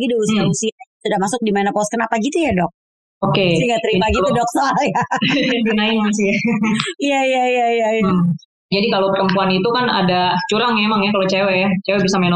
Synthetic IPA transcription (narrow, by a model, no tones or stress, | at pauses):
ɡidiusiausiasudamasʊk̚dimanapɔskənapaɡit̪ujadɔk̚ | okeiŋɡat̪əɾimaɡiudɔk̚sɔaljaadunaimasijaijaijaijaijaja | d͡ʒadikalopəɾəmpuanit̪ukana̰dat͡ʃuɾaŋaemaŋjakalot͡ʃewɛjat͡ʃewɛbisamen